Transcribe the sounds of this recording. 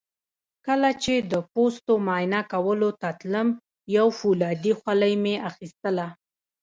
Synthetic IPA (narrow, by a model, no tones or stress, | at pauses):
kəlat͡ʃed̪əpost̪omɑjnakawəlot̪at̪ləm | jawfulɑd̪ixwalajmeaxist̪əla